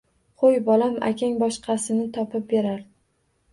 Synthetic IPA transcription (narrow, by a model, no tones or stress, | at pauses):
qʰojbɒlama̰kʲʰaŋbɒʃqʰɑsɪnɪt̪ʰɒpʰɪp̚be̞ɾaɾ